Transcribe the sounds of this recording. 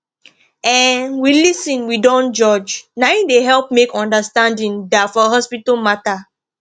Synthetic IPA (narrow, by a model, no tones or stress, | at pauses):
ɛ̃nwilisĩnwidɔ̃nd͡ʒɔd͡ʒnaĩdeɦɛlp̚mekɔ̃ndastãndĩndafɔɦɔspitamata